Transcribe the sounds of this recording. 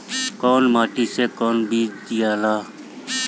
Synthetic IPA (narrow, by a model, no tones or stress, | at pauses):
kɔːnmaːʈiːsekɔːnbiːd͡ʒd̪ijaːlaː